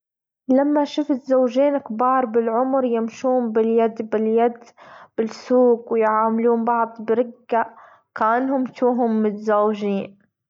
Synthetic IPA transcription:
lamːaʃʊfɪzːawʒiːnkbɑːɾˤbɪlʕʊmɾjɪmʃuːmbɪljad̪bɪljad̪b̥ɪlsuːɡwɪjʕaːmluːmbɑʕd̪ˤbɪɾɪɡːa | kaʔanhʊmt̪uːɦʊmːɪzːawʒiːn

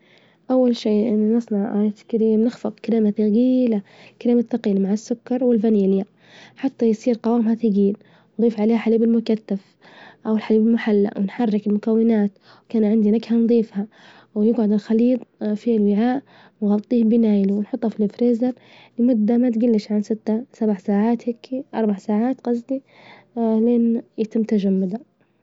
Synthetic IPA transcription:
ʔawːalʃiːʔɪnːnɨsˤnɑʕɪθkɪɾiːmnɪxfɑt̪ˤkaɾiːmaθɡiːlakaɾiːmat̪ɑɡiːlamaʕasːʊkːɑɾˤwɪlfaniːlja | ħat̪ːajsˤiːɾqɑwaːmhaθɪɡiːl | nd̪ˤiːfʕaleːhħaliːbɪlmʊkaθːaf | ʔawɪlħaliːbɪlmʊħalːa̰wɪnħarːɪkɪlmʊkawːɪnaːt̪ | wkaːnʕɪnd̪inaɡhand̪ˤiːfha | wjɪɡʕʊd̪ɪlxɑliːt̪ˤfilwɪʕaːʔ | nɣɑt̪ˤːiːhbɪnaːjluwɪnħʊt̪ˤːhɑfilɪfɾeːzɑɾ | lɪmʊd̪ːamat̪ɡɪlːɪʃʕansɪt̪ːasabaʕsaːʕaːt̪hɪkʰːiʔɑɾˤbaʕsaːʕaːt̪qɑzd̪i | leːnjɪt̪ɪmt̪aʒamːad̪a

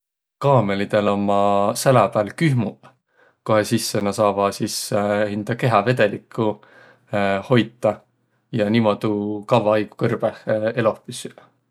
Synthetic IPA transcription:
kɑːme̞lid̪̥e̞lo̞mːɑsælɑpælkyhmu | koɦe̞sisːenɑsɑːvɑsishind̪̥ɑke̞ɦɑve̞d̪̥e̞likʰːˑu | ho̞jt̪ːˑɑ | jɑnimo̞d̪̥ukɑvɑɑjɡ̥u̥kɤrb̥ehe̞lofisyl

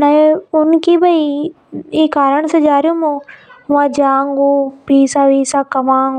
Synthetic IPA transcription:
nɐʊnkibɐi | iːkaːɾəɽ̃sẽd͡ʒaːɾijũmõʊãd͡ʒaːŋɡopiːsaʋiːsakɐmãːŋ

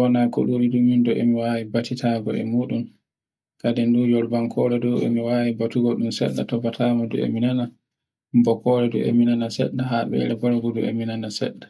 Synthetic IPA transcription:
wɔnako̰ɗuɾidumindɔʔemiwawibatitʰaːɡɔʔɛ̰muːɗum | kadɛndujɔɾbaŋkʰɔɾɛdɔwḛmiwaːwibatuɡɔɗumsɛ̰ɗːa̰tɔbatʰaːmadṵḛminana | mbɔkɔɾɛdṵʔḛminanasɛ̰ɗːaɦaɓɛ̰ɾɛɡɔɾɡɔduḛminanasɛ̰ɗːa

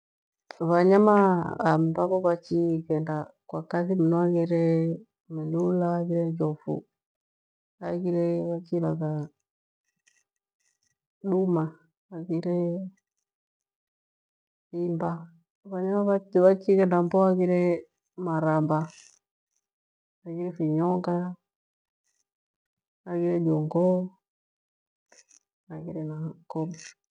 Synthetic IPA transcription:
βaɲamaːmbabɔβat͡ʃikɛndakwakaθiminɔakiɾɛ | melulaːɡiɾɛd͡ʒɔfṵ | akiɾɛβat͡ʃilaka | ɗuma | aɡiɾɛ | fimba | βaɲaaβaβakikɛndambɔakiɾɛ | maɾamba | akiɾɛfiɲɔŋɡa | akiɾɛd͡ʒɔŋɡɔ | akiɾɛnakɔm

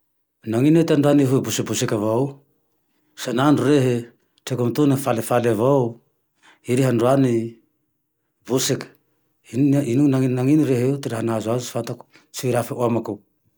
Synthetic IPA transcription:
naŋinetanduaniɦubusibusikavaw | sananduɾeɦe | tekomtunafalefalavaw | iɾiɦanduani | busekḁ | ininunainaŋiniɾeɦeuteɾeɦanazuazusi̥fatak | siviɾafeʔuamaku

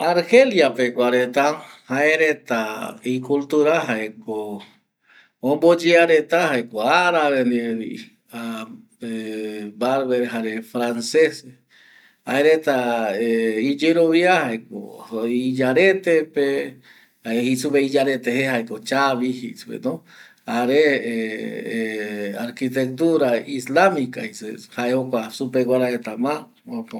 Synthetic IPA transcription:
aɾheljapekʷaɾet̪ahaeɾet̪aikult̪uɾaɦaeko | õmbod͡ʒeaɾet̪ahɦaekoaɾaβend̪ieḭ | a | ebaɾβeɾɦaɾefɾanses | haeɾet̪aeid͡ʒeɾoβiahaek̚o̰id͡ʒaɾet̪epe | ehisuβeid͡ʒaɾet̪ehehaekot͡ʃaβihisupḛno | haɾee | aɾkit̪̬ek̚t̪uɾaislamikahisehaehokʷasupeɡʷwaɾaet̪amã | oko

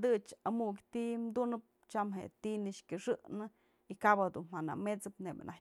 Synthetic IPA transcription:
d̪ɨt͡ʃamukʲt̪iʔmd̪unɨp̚ | t͡ʃamɦḛʔt̪inɨʂkʲɨʂɨʔnɨ | ikabad̪unmana̰met͡sɨpneba̰nʔa

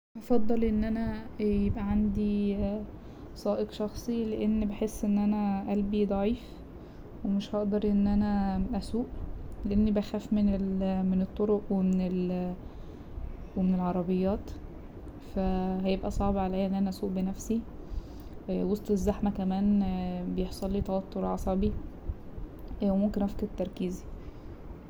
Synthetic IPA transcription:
ʔɑfɑd̪ˤːɑlʔenːʔænæjebʔæʕand̪i | sˤɑːʔeqʃɑxsˤileʔenːbeħesːʔenːʔænæʔælbid̪ˤɑʕiːf | wemeʃhɑʔd̪ɑɾˤʔenːʔænæʔæsuːʔleʔenːibæxæːfmenelmenet̪ˤːoɾoʔwemenel | wemenelʕɑɾˤɑbejːɑːt̪ | fæɦæjebʔæsˤɑʕbʕalæjːʔenːʔænæʔæsuːʔbenæfsi | wosˤt̪ˤezːæħmækæmæːnbejeħsˤɑlːiːt̪ˤɑwɑt̪ˤːoɾʕɑsˤɑbi | wemomkenʔæfket̪ːɑɾˤkiːzi

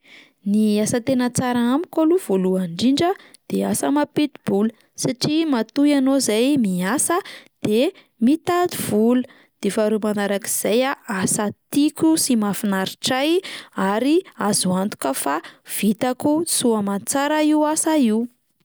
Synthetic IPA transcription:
niasət̪enət͡saɾaamikaluv̥oluaɳɖ͡ʐiɳɖ͡ʐə | d̪̥easəmapet̪ib̥ulə | saʈ͡ʂimat̪ujanozajmiasəd̪̥e | mit̪ad̪ivulu | d̪̥efaɾumanaɾaki̥z̥ajaʔasat̪ikʲusimafinaɾiʈ͡ʂajaɾiazuant̪u̥kəfav̥it̪akusuamat͡saɾaiwasaiw

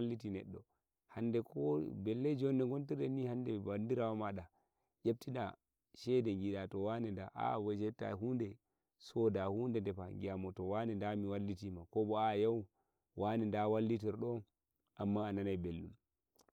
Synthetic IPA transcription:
lːitinɛ̰ɗːɔ̰ | handɛkʰɔbɛlːɛd͡ʒɔnːɛŋɡɔntiɾɛnihandɛbandiɾawamaɗa | ʔep̚tina̰ | ʃɛdɛŋɡiɗatɔwanɛndaʔa̰wɛd͡ʒɛta̰ɦundɛ | sɔdahuːndɛndɛpaŋɡijamɔtɔwanɛndamiwalːitimakɔbɔajaw | wʔanɛndawalːitiɾɗɔn | ʔamːaːnanajbelːum

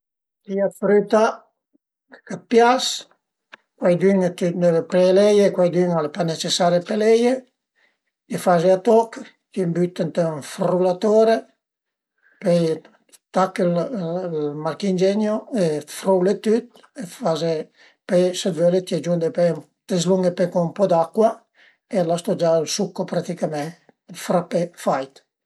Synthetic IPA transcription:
t̪iafɾyt̪a | kat̪̚pjas | kwajd̪yŋt̪ynevepɾɛlɛjekwajd̪yŋalpanet͡ʃesaɾepelɛje | tifazeat̪ɔk | t̪imbyt̪ənt̪ə̃fɾulat̪oɾe | pɛj | t̪akːellmaɾkind͡ʒenjoefɾowlet̪yt̪̚ | efaze | pesed̪vølet̪iɛd͡ʒund̪epe | t̪ezluŋɡepekoumpɔd̪akːwa | elast̪ɔd͡ʒalsukːopɾat̪ikamɛ̃ | fɾapefajt̪

